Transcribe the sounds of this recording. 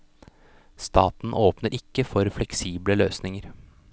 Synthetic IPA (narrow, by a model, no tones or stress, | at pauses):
st̪ʰɑːt̪n̩ʔoːpnəɾʔɪkːəfɔɾflɛksiːbləløːsnɪŋəɾ